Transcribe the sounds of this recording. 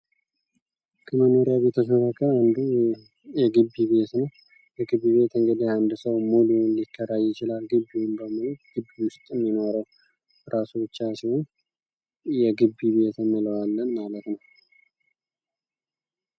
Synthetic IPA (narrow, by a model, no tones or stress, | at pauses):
kʰəməno̞ɾjaβet̪ʰəsonəkʰəand̪u | jɛɡɨbːiβe̞t̪nəw | jɛɡɨbːiβe̞t̪ɨŋɡəd̪ihand̪səwmulunlikʰːəɾajɪt͡ʃɪlalɡɨbːiwunbəmɨlut̪ɡ̥ɨbːiwʊst̪ʼɨmːino̞ɾəw | ɾʔasubɨt͡ʃːasihon | jɛɡɨbːiβe̞t̪ʰəmːɨləwalːənmalət̪nəw